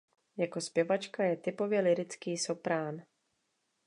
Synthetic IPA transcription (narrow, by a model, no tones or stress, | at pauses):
jako̞spjɛvat͡ʃkajɛt̪ɪpo̞vjɛlɪɾɪt͡skiːso̞pɾaːn